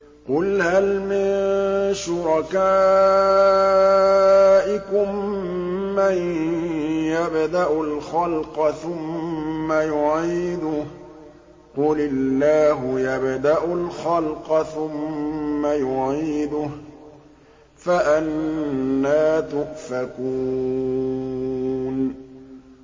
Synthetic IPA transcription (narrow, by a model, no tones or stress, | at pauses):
qʊlhalmɪnnʃʊɾˤɑkaː | ʔɪkʊmː | aj | jabd̪aʔʊlxalqɑθʊmːajʊʕiːd̪ʊ | qʊlɪlːaːɦʊjabd̪aʔʊlxalqɑθʊmːajʊʕiːd̪ʊ | faʔanː | aːt̪ʊʔfakuː | n